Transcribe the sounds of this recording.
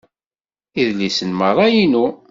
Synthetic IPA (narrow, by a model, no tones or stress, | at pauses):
iðlisənmərˤːɑjinu